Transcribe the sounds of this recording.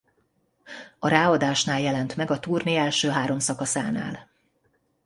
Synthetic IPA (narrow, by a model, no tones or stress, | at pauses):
ɒɾaːɒd̪aːʃnaːljɛlɛnt̪mɛɡɒt̪uːrniɛlʃøːɦaːɾo̞msɒkɒsa̰ːna̰ːl